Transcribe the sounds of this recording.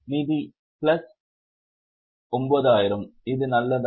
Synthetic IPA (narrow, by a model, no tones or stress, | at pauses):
nɪði | plɐs | ɔmboðaːjɪɾɐmɪðɯnɐlːɐð